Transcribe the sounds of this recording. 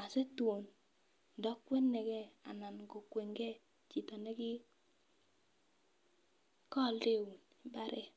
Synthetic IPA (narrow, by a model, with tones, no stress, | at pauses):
a˨se˦tu˨o˨n | dɔ˦kːwe˦nːe˨ɡɛ˦a̰˨na˨nɡo˨kwe˨ŋɡɛ˦ | t͡ʃi˨tɔ˨nɛ˦ɡɪ˦ | kɔ˦˨lde˦˨u˨nɪ˦ba˦ɾʔɛ˦˨